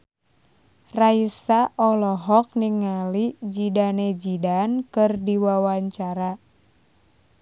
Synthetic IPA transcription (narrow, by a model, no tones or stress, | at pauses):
raisaʔɔlɔɦɔk̚niŋːalid͡ʒidaned͡ʒidankɨrdiwawaɲt͡ʃaɾa